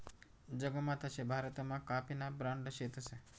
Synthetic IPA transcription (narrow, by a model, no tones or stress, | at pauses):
d͡ʒəɡəmãt̪əʃebʱaɾət̪mãkapinabɾãɳɖʃet̪əse